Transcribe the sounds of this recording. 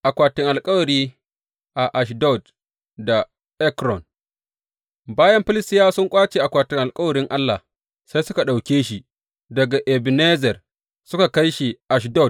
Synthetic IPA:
ʔa˨kʷaː˨tɪ˦ŋʔa˨lkʼɐ˦wɐ˨ɾiː˦ | ʔa˨ʔa˨ʃ̬dɔ˦˨d | da˨ | ʔɛ˦kɾɔ˨n | baː˦jɐ˦mɸɪ˦lɪ˦stɪ˦jaː˦sʊ˦ŋkʷʼaː˦t͡ʃeː˨ʔa˨kʷaː˨tɪ˦ŋʔa˨lkʼɐ˦wɐ˨ɾɪ˦ŋʔa˦lːa˨h | sa˦jsʊ˦ka˨ɗa˨wkʲeː˦ʃi˨ | dɐ˨ɡa˨ʔɛ˨bne˦zɛ˨r | sʊ˦ka˨ka˦jʃi˨ʔa˨ʃ̬dɔ˦˨d

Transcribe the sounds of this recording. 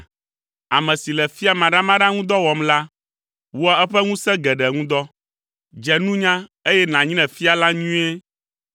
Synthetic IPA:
a˨mɛ̃˨si˨lɛ˨fi˦a˨mã˨ɖa˦mã˦ɖã˦ŋũ˦d̪ɔ˦wɔ˨mla˦ | wo˦a˦ɛ˦ɸɛ˦ŋũ˦sɛ̃˦ɡɛ˨ɖɛ˨ŋũ˦d̪ɔ˦ | d͡ʒɛ˨nũ˦ɲã˦e˦jɛ˦nã˨ɲĩ˦nɛ̃˨fi˦a˨la˦ɲũ˦e˦

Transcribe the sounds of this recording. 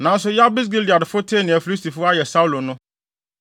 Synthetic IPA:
nã˨n̩˦s̬ʊ˦ja˦bi˦s̬ɡi˦li˨a˨dfʊ˦tʰe˦nɪ̃˨æ˨fi˨li˦sti˨fʊ˦a˦jɛ˨sa˦u˦lo˨nʊ̃˦

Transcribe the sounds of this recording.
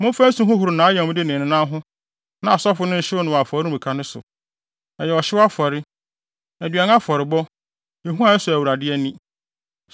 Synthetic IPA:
mʊ̃˦m˦fæ̃˦n̩˦sũ˦ɦʊ̃˦ɦʊ˨ɾʊ˨nãː˨˦jɛ˨m̃˦dɪ˦nɪ̃˨nɪ̃˨nã˦ɦʊ̃˦ | nã˨a˨sɔ˦fʊ˨˦nʊ̃˦n̩˨ɕɪ˦wʊ˦nʊ̃˨wa˨fɔ˨ɾɪ˦˨ĩ˨kʰa˦nʊ̃˦sʊ̰˨ | ɛ˨jɛ˨ɔ˨ɕɪ˦wa˦fɔ˨ɾɪ˦ | æ˨dɥa˨n˦a˦fɔ˨ɾɪ˨bɔ˦ | e˨ɦũ˦a˨ɛ˦sʊ˨æ˨wu˨ɾa˨dɪ˦ɛ˦nĩ˦

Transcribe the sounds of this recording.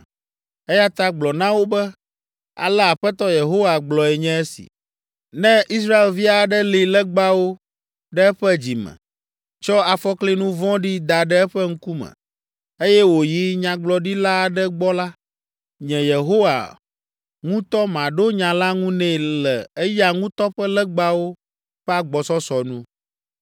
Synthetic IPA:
ɛ˦ja˦t̪a˦ɡ͡blɔ˨nã˦wo˦bɛ˦ | a̰˨lɛ˦a˨ɸɛ˦t̪ɔ˦je˨ɦo˦wa˨ɡ͡blɔ˨ɛ˨ɲɛ̃˦ɛ˦sḭ˨ | nɛ̃˦ʔi˦sɾa˦e˨lvi˦a˨ɖɛ˦li˨lɛ˦ɡ͡ba˦wo˦ | ɖɛ˦ɛ˦ɸɛ˦d͡ʑi˨mɛ̰̃˨ | t͡ʃɔ˦a˨fɔ˦kle˦nũ˦vɔ̃˦ɖi˦d̪a˨ɖɛ˦ɛ˦ɸɛ˦ŋ̩˦ku˦mɛ̰̃˨ | e˦jɛ˦wo˨ji˦ɲã˨ɡ͡blɔ˨ɖi˦la˦˨ɖɛ˦ɡ͡bɔ˦la˦ | ɲɛ̃˨je˨ɦo˦wa̰˨ | ŋũ˦t̪ɔ˦mã˨ɖo˦ɲã˨la˦ŋũ˦nɛ̃˨lɛ˨e˦ja˨ŋũ˦t̪ɔ˦ɸɛ˦lɛ˦ɡ͡ba˦wo˦ | ɸɛ˦a˦ɡ͡bɔ˨sɔ˦sɔ˨nũ˦

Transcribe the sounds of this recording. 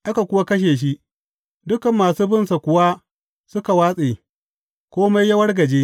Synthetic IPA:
ʔa˦ka˨kʷʊ˦wa˦kɐ˦ʃ̬eː˨ʃ̬i˦ʔ | dʊ˦kɐ˨mːaː˨suː˦bɪ˦nsa˨kʷʊ˨wa˦ | sʊ˦ka˨waː˦sʼeː˨ | kʷoː˦ma˦jːɐ˦wɐ˦rɡɐ˨d͡ʒeː˦

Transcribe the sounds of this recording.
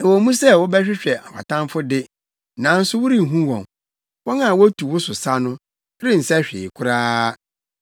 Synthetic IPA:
ɛ˨wɔ˨˦mũ˦sɛ˦wɔ˦bɛ˦ɕᶣɪ˦ɕᶣɛ˨a̰˨pʰa̰˨tã˦mfʊ˦dɪ˦ | nã˨n̩˦sʊ˦wʊ˦ɾi˦˨ɦũ˦wɔ̰̃˨m | wɔ˦nã˦˨wɔ˦æ˦tʰu˨wʊ˦sʊ˨sa˦nʊ̃˦ | ɾɪ˦n̩˨sɛ˦ɕᶣɪ̰˨kʰʊ˦ɾaː˦

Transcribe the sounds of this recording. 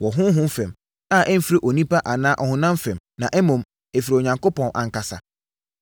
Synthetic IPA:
wɔ˨ɦʊ̃˦ɦʊ̃˦m̩˦fɛ̃˨m | a˦˨ʔɛ˦m̩˦fi˦ɾe˦˨ʔo˨nĩ˦pa˦ʔa˨nãː˦ʔɔ˨hʊ̃˨nã˦m˦fɛ̃˨m | nã˨ʔɛ˦mʊ̃˨m | ɛ˨fi˨ɾe˨o˨ɲã˨ŋko˦pɔ̃˨nʔã̰˨ŋ̩˨ka˨sa̰˨

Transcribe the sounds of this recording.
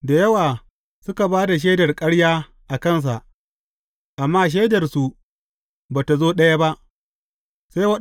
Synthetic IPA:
da˨jɐ˦waː˨ | sʊ˦ka˨baː˦da˨ʃ̬eː˦dɐ˨rkʼɐ˦ɽjaː˦ | ʔa˨kɐ˦ns̬a̰˨ʔ | ʔa˨mːaː˦ʃ̬eː˦dɐ˨rsu˨ | baː˨ta˨zoː˦ɗɐ˦ja˦ba˦ʔ | saː˦wɐ˦

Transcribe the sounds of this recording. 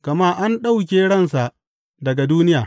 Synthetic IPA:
ɡ̥ɐ˨maː˦ʔa˦nɗa˦wk̬ʲeː˨ɽɐ˦˨nsa˨ʔ | dɐ˨ɡa˨duː˦nɪ˦jaː˨

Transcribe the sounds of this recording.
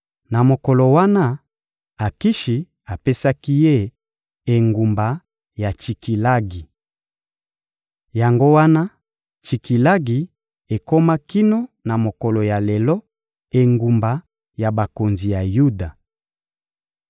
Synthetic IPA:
na˨mo˨kɔ˨lɔ˨wa˦na˦ | a˨ki˦ʃi˨ | a˨pe˦sa˦ki˦je˦ | e˨ŋɡu˨mba˨ | ja˨t͡ʃi˨ki˨la˦ɡi˨ | ja˨ŋɡo˦wa˦na˦ | t͡ʃi˨ki˨la˦ɡi˨ | e˨ko˦ma˦ki˦no˦na˨mo˨kɔ˨lɔ˨ja˨lɛ˨lɔ˦ | e˨ŋɡu˨mba˨ | ja˨ba˨ko˨nzi˨ja˨ju˦da˨

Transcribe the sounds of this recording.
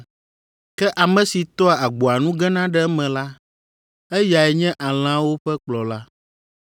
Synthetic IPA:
kɛ˦ʔa˨mɛ̃˨si˨t̪ɔ˦a˨a˨ɡ͡bo˨a˨nũ˦ɡɛ˦nã˦ɖɛ˦mɛ̃˨la˦ | ɛ˦ja˨ɛ˨ɲɛ̃˦ʔa˨l̃ã˦wo˦ɸɛ˦k͡plɔ˨la˦

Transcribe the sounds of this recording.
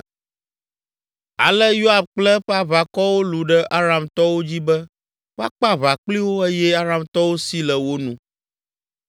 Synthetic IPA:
a̰˨lɛ˦jo˦a˨b̚k͡plɛ˦ɸa˦βa˨kɔ˦wo˦lu˨ɖɛ˦ʔa˦ɾa˨mt̪ɔ˦wo˦d͡ʑi˦bɛ˦ | wo˦a̰˦k͡pa˦βa˨k͡pli˦wo˦e˦jɛ˦a˦ɾa˦mt̪ɔ˦wo˦si˦lɛ˨wo˦nũ˦

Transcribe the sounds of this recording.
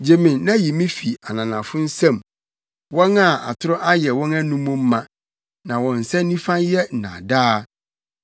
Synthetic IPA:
d͡ʑe˨mɪ̃˨nnã˦ji˨mĩ˦fi˨a˨nã˨nã˨fʊ̃˦n̩˦sã˦˨m | wɔ̃˦na˦˨a̰˨tʰʊ˦ɾɔ˦ʔa˦jɛ˨wɔ̃˦næ˦nũ˦mũ˦m̩˦mã˨ | nã˨wɔ̃˨n̩˨sɛ˦nĩ˦fã˦jɛ˦n̩˨nã̰˨daː˦

